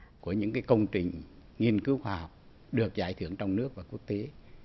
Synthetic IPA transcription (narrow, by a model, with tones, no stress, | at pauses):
ku˧˩əɲɨ̰˧˥ŋkaː˨˦jkə˧wŋ͡mt͡ɕï˨˩ŋ̟ŋi˧ənkɨ˨˦wxwaː˧˩hɔ˨˩wk͡p̚ | ɗɨ˨˩ək̚za̰ː˧˩jt̪ʰɨ˧˩əŋt͡ɕɔ˧wŋ͡mnɨ˦˥ək̚vaː˨˩ku˦˥ək̚t̪e˨˦